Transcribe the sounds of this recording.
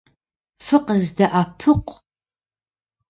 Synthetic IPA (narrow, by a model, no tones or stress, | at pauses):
fɨqəzdɐʔapʰɨqʷ